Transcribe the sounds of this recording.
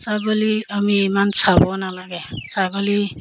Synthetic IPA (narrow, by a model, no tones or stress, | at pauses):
saɡɔliamimansabɔnalaɡesaɡʌli